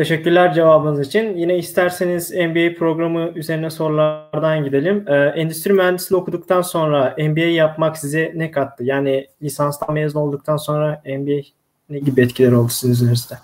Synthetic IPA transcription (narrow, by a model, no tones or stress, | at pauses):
t̪ʰe̞ʃɛcːyɾlʲæɾd͡ʒe̞vaːbɯnɯzit͡ʃʰinjinɛist̪ʰæɾseniz̥ɛnbiejpʰɾo̞ɡɾamɯyze̞ɾind̪ɛso̞ɾulˠaɾd̪anɟid̪e̞lʲimɛːʔɛnd̪yst̪ɾimyɦænd̪isilʲɛo̞kʰud̪uk̚t̪ʰanso̞nɾaɛmbiejjːapmaksizɛnɛkʰat̪ʰːɯjaːnilʲisanst̪ʰˠamezno̞lˠd̪uk̚t̪ʰanso̞nɾaɛnbiej | neɟibiɛt̪cʰilʲɛɾo̞lˠd̪u̥sinɯzøɾizd̪ɛ